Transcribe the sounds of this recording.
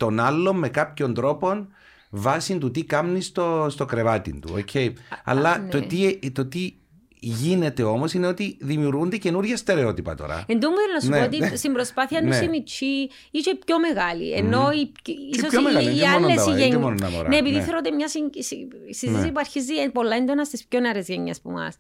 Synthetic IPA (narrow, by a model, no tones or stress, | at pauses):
t̪o̞nɐlːo̞mmːe̞kɐpço̞nd̪ɾo̞po̞n | vɐsint̪ut̪ikɐmnist̪ost̪o̞kɾevɐt̪ḭnt̪ṵocʰːeiɐ̰lːɐt̪oit̪o̞t̪i | ʝine̞t̪e̞o̞mo̞sineo̞t̪iðimiuɾɣund̪ece̞nuɾʝɐst̪e̞ɾe̞o̞t̪ipɐ̰t̪o̞̰ɾɐ̰end̪omːuðeɾnɐsunoot̪ist̪imbɾospɐθiɐnːsimit͡ʃʰi | isoipço̞meɣalḭḛnːo̞ipisosoeiaolnːesiʝeɲimononnɐ̰mo̰ɾneeːpiðiθeɾot̪imɲɐsissiisipuɐɾçiziepo̞lːɐend̪o̞nɐst̪ispçoneɐɾezʝeɲːespṵmɐ̰s